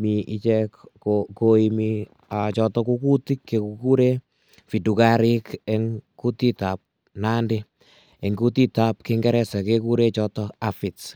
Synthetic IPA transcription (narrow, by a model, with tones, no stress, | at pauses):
mi˨ʔi˦t͡ʃɛ˦kkoko˨i˨mi | a˨t͡ʃɔ˧tɔ˦ku˦ku˦ti˦kːe˨kuku˦ɾe˦ | fi˨du˨kaɾɪ˦kɛ˦ŋku˦ti˦ta˨p̚ | na˦ndɪ˦ | e˨ŋɡu˦tita˨p̚kɪŋɡɛ˦ɾɛ˦sɛ˨keku˦ɾe˦t͡ʃɔtɔa˨fi˨t